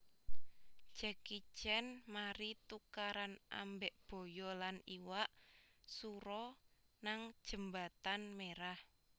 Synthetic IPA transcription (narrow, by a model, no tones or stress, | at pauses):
d͡ʒ̥ə̤kit͡ʃɛnmaɾit̪ukaɾanʔa̰mbeʔb̥o̤jɔlaniwaʔsuɾɔnaŋd̥ʒ̥ə̤mbat̪anmeɾah